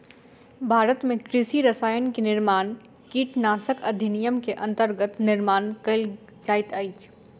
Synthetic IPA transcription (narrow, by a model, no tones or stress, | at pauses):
bʱaːɾət̪mẽkɾɪsiɾɐsaːjənkenɪɾmaːn | kiːʈnaːsəkɐd̪ʱɪnijəmkeʔɐ̃nt̪əɾɡət̪nɪɾmaːnkɐl | d͡ʒaːɪt̪ɐɪt͡ʃ